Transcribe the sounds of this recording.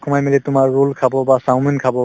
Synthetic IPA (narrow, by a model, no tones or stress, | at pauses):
kʰɔmajmilɛtʊmaɹːulkʰabɔbasawminkʰabɔ